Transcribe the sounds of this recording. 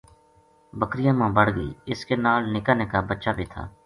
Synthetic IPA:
bəkɾɪjãːmãːbəɽɡəḭːɪskeːnaːlnɪkaːneːkaːbətːʃaːbʱiːt̪ʰa̰ː

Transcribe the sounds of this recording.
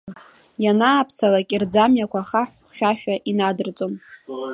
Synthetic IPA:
janaːpʰsalakʲʼird͡zamjakʷʰaχaħ | ʃᶣaʃᶣaʔinadɨrt͡sʼom

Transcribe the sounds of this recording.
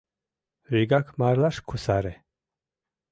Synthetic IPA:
ɾiɡakʰmaɾlaʃkʰusaɾɛ

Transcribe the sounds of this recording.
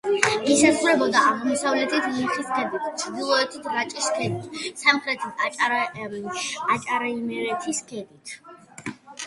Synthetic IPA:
isazʁɾɛbɔd̪aʔaʁmɔsavlɛt̪ʰit̪ʰliχiskʰɛd̪it̪ʰt͡ʃʰɾd̪ilˠɔɛt̪ʰit̪ʰɾat͡ʃʼiskʰɛd̪it̪ʰsamχɾɛt̪ʰit͡ʃʼ | at͡ʃʼaɾaimɛɾɛt̪ʰiskʰɛd̪it̪ʰ

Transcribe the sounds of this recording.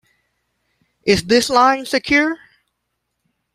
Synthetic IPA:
ʔɪzðɪslãɪ̃nsɨkʰj̥ʊɹ

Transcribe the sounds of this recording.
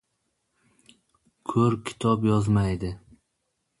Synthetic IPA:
kʰɵɾkʲʰɪ̥t̪ʰɒpjɒzmajd̪ɪ

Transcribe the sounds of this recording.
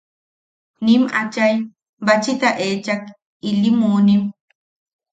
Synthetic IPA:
nimat͡ʃaj | bat͡ʃit̪aʔeːt͡ʃak | ilimuːnim

